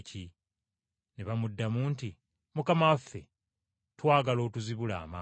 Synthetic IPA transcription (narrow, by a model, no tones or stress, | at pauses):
ci | neβamudːamuːnti | mukamawafːe | twaːɡalo̞ːtuziβula̰ːmaː